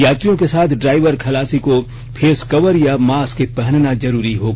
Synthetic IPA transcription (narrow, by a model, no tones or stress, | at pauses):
jaːt̪ɾijõkesaːt̪ʰɖɾaːɪʋəɾkʰɐlaːsiko | pʰeːskɐʋəɾjamaːskepɛɦnnazɐɾuːɾiɦoːɡ